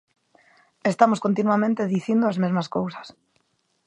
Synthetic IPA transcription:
est̪amoskont̪inwamẽnt̪eðiθind̪oazmezmaskowsḁs

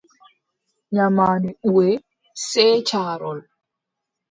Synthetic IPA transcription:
ɲamaːniʔuwɛ | sɛːt͡ʃaːɾɔl

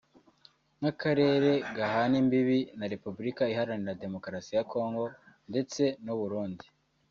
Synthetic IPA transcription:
ŋakaɾe̞ːɾe̞ɡaɦanimbiβinaɾe̞pubuɾikaihaɾaniɾade̞mo̞kɾasijakʰo̞ːŋɡo̞ | nde̞t͡se̞nuβuɾuːndi

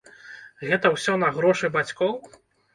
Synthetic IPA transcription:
ɣɛt̪ɐwsʲɔnɐɣɾɔʂɨbat͡sʲkɔw

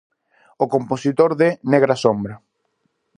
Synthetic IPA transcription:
okomposit̪oɾðeneɣ̞ɾasombɾɐ

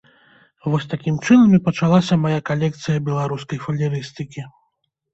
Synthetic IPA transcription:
vɔsʲt̪akʲimt͡ʂɨnɐmʲipɐt͡ʂalˠasʲɐmajakalʲɛk̚t̪sɨjɐbʲɛlˠaɾuskɐjfɐlʲiɾɨst̪ɨkʲi

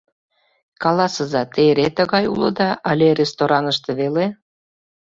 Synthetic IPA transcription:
kɑlɑsəzɑt̪eɾet̪ə̆ɣɑjṵlɤ̰̆d̪ɑʔəlʲerest̪oɾɑnəʃt̪eβele

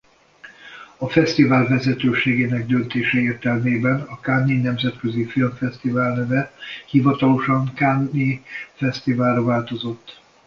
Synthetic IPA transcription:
ɒfɛst̪ivaːlvɛzɛt̪øːʃeːɡeːnɛɡ̚d̪ønt̪eːʃɛeːrt̪ɛlmeːbɛnɒkanːinɛmzɛt̪køzifilmfɛst̪ivaːlnɛvɛhivɒt̪ɒlo̞ʃɒŋkanːifɛst̪ivaːlrɒvaːlt̪o̞zo̞t̪ː

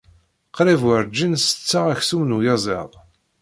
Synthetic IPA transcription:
qɾivwəɾd͡ʒənsə̥t͡sːaʁæçsumnujɑzˤḛðˤ

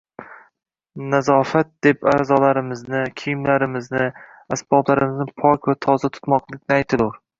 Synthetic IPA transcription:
nazɒfat̪̚d̪̥e̞pazɒlaɾɪmɪznɪkʲʰijmlaɾɪmɪznɪ | asbɒblˠaɾɪmɪznɪpʰɒkʲvat̪ʰɒzat̪ʰʊ̥t̪mɒqlˠɪkʲnɪajt̪ʰɪlʊɾ

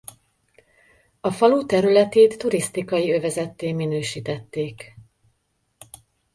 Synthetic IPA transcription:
ɒfɒlut̪ɛɾylɛt̪eːt̪ːuɾist̪ikɒjiø̞vɛzɛt̪ːeːminøːʃiːt̪ɛt̪ːeːk

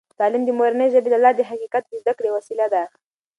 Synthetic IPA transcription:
t̪ɑlɪmd̪əmoɾanəjʒəbelalːɑd̪əɦaqiqat̪̚d̪əzd̪akɽewasilad̪a

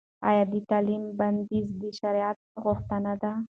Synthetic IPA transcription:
a̰jɑd̪ət̪alimband̪izd̪əʃaɾijat̪̚ɣʊxt̪anad̪a

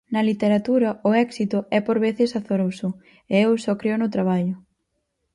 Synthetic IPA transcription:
nɐlit̪eɾat̪uɾɐʊɛksit̪ʊɛpoɾβeθɪsaθoɾowsʊ | eewsɔkɾeonʊt̪ɾaβ̞aʎʊ

